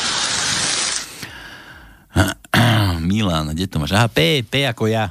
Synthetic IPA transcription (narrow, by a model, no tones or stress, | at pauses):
milaːnaɡɛt̪ɔmaʃaɦapɛːpɛakɔja